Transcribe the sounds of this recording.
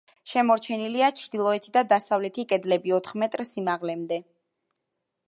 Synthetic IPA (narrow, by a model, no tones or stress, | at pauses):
ʃɛmɔɾt͡ʃʰɛniliat͡ʃʰd̪̥ilˠɔɛt̪ʰid̪ad̪asavlɛt̪ʰikʼɛd̪lɛbiɔt̪ʰχmɛt̪ʼɾsimaʁlɛmd̪ɛ